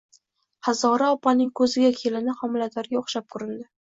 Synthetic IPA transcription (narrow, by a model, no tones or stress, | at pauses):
hazɒɾaɒpʰanɪŋkʰɵzɪɡʲakʲʰe̞lɪnɪhɒmɪlat̪ʰaɾɡʲaʊχʃap̚kʰʊɾɪnd̪ɪ